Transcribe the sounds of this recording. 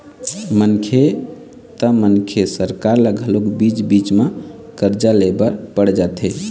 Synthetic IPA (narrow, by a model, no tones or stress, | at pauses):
mənkʰe | t̪əmənkʰesəɾkaɾləɡʱəlokbit͡ʃbit͡ʃme | kəɾd͡ʒalebəɾpəɽd͡ʒat̪ʰe